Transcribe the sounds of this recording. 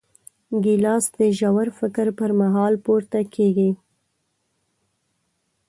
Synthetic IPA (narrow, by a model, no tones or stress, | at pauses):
ɡɪlɑsd̪əʒawaɾfɪkɾpəɾmaɦɑlpuɾt̪akʰeɡi